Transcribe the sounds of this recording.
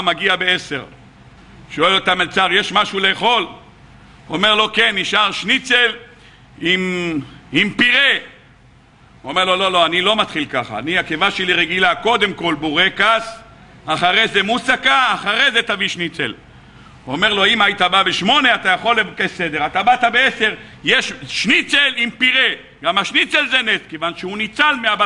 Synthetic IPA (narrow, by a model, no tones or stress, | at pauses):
maɡiabeese̞̰ʁ | ʃo̞elot̪amelt͡saʁjeʃmaʃuleːχo̞l | ome̞ʁlo̞kenːiʃaʁʃnit͡se̞l | im | impiʁe | uome̞ʁlo̞lo̞lo̞anilo̞mat̪χilkaχa̰ːniakevaʃeliʁeɡilako̞d̪e̞mko̞lbuʁekas | aχaʁezemusakaːχaʁezet̪aviʃnit͡sḛl | uomeʁlo̞imait̪ababeʃmo̞ne̞at̪ajaχo̞lːevukesed̪eʁat̪abat̪abeese̞ʁ | jeʃʃnit͡selimpiʁe̞ | ɡamaʃnit͡selzeneskevanʃeunit͡salmeaba